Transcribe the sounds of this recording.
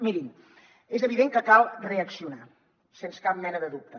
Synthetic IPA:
miɾim | ezəβ̞iðeŋkəkalˠreəksiuna | senskap̚mɛnəðəðup̚t̪ə

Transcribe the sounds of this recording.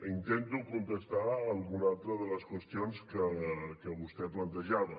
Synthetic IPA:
int̪ent̪ukunt̪əst̪aəlˠɣunalˠt̪ɾəðələskwəst̪ionskəkəβust̪ɛplənt̪əʒaβə

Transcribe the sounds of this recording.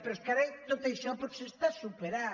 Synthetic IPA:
peɾoskaɾejnõt̪ejsõpoɾke̥sest̪asupeɾa

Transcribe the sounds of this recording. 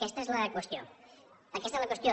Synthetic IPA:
kɛst̪aezləkwəst̪jo | əkɛst̪ezləkwəst̪jo

